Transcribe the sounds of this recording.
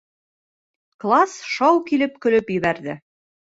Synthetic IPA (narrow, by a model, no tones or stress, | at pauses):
klˠasʃɑwkilɘp̚kɵ̆lɵpjɘ̆βæɾðɘ